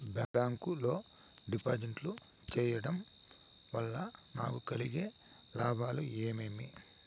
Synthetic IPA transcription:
baːbaːŋkulo̞ː | ɖipaːd͡ʒɐɳʈlu | t͡ʃɛːjɐɽɐm | ʋɐlːɐna̰ːkukɐliɡeː | laːbʱaːlueːmeːmi

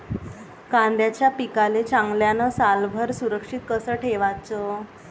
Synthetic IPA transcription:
kãnd̪jat͡ɕjapikalet͡ɕaŋɡljanəsalbʱəɾsuɾəkʂit̪̚kəsəʈʰeʋat͡sə

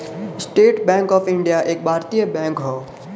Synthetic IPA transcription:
sʈeːʈbɛ̃ŋkɔːfɪɳɖijaʔeːk̚bʱaːɾt̪ijəbɛ̃ŋkɦɔː

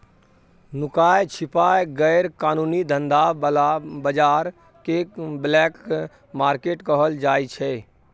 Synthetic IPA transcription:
nʊkaːjt͡ʃʰɪpaːjɡəːɾkaːnuːnid̪ʱə̃nd̪albəd͡ʒaːɾ | keblɛːk | maːɾkeːʈkəɦəld͡ʒaːit͡ʃʰɛː

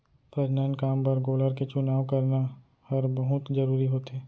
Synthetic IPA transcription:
pɾɐɾnaːnkaːmpɐɾɡoːləɾket͡ʃʊnaːwkɐɾna | hɐɾbɐɦʊt̪zɐɾuːɾiɦoːt̪eː

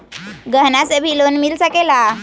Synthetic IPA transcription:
ɡəɦnasebʱilonmilsəkela

